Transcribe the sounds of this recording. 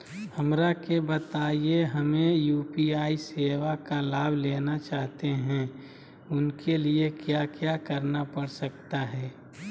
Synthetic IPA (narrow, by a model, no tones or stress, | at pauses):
həmɾakebət̪aːijeɦəmẽjuːpiaːiseːʋakalaːbʱleːnat͡ʃaːɦt̪eɦɛ̃ | ʊnkeliekjakjakəɾnapəɽsək̚t̪aɦɛː